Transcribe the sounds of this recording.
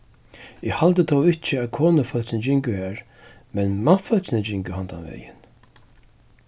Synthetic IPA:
ɪːhalt̪ət̪ʰɔwɪht͡ʃɪæːðkʰoːnəfœlsɪnd͡ʒɪŋkʊhæːɹ | mɛnmḁtfœlt͡ʃɪnəd͡ʑɪŋkəhand̪a̰nʋɛ̰ːjɪ̰n

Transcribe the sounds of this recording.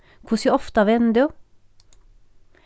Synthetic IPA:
kʰʊsjəɔft̪ɑʋɛnd̪u

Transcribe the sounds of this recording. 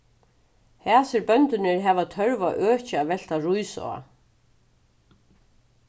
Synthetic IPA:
hɛːsɪɾbœnt̪ɪnɪɹɦɛːvat̪ʰœɹvaʔøːt͡ʃɪavɛl̥t̪aɾujsɔ̰a̰

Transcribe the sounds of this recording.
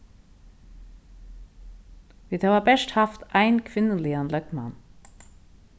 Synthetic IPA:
ʋit̪ʰɑːʋɑbæʃʈhɑft̪ʔæɪnkʰʋɪnənliːɑnlœk̚t̪mɑ̰n

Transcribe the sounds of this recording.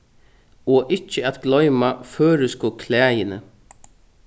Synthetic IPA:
ɔʔɪt͡ʃːɪat̪ɡlɔʏmaføːɾɪskʊkʰlɛːjɪnɪ̰

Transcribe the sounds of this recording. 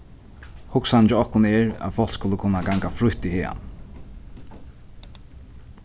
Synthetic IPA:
hʊksant͡ʃɪɔhkʊnɛɹa̰ðfɔl̥skʊləkʰʊnːaɡaŋkafɾʊht̪iheːa̰n

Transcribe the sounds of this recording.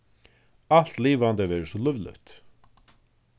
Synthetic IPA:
al̥t̪liːvant̪ɛvɛːɾɪsɔlʏvlœ̰ɥht̪

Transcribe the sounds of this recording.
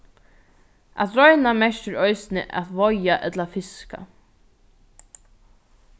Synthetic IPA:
a̰ðɾɔjnamɛʃt̪ɪɾœɥsɪnɪ̰ʔa̰ðvɔjaʔɛt̪lafɪska̰

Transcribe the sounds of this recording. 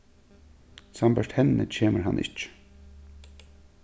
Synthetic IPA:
sambəʂthɛnːə̰t͡ɕʰeːməɾɦa̰nʔɪ̰t͡ʃ

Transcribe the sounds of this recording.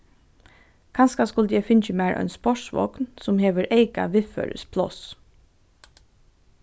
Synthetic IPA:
kʰɑnskaskʊlt̪əjɛɪfɪnt͡ʃəmæɪɹʔœ̰ʏnspɔʂsʋɔ̰knsʊmheːʋəɹʔeɪka̰ʋɪːfø̰ːɹə̰spʰlɔs

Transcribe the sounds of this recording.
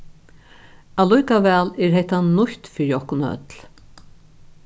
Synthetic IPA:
alujkavɛːlɛɾhɛht̪anʊçt̪fɪɾjɔhknœ̰t̪l

